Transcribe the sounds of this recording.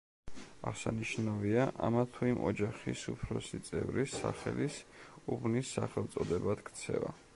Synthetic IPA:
aʁsaniʃnaviaʔamat̪ʰuimʔɔd͡ʒaχisupʰɾɔsit̪sʼɛvɾisaχɛlisubnisːaχɛlˠt̪sʼɔd̪ɛbad̪kʰt̪sʰɛva

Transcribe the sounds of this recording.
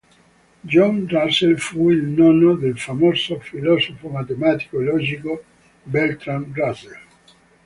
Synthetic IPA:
d͡ʒɔnraselfuilnɔnod̪elfamosofilɔsofomat̪emat̪i̥kolɔd͡ʒiko | bɛlt̪ɾanɡrasel

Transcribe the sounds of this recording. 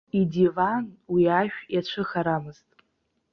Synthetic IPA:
idivanwiaʃᶣjat͡ɕʷʰɨχaɾamɨz̥tʼ

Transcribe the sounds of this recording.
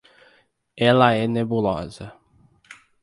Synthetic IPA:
ɛlɐɛnebulɔ̰zɐ

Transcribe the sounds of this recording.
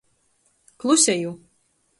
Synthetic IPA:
klˠusʲɛju

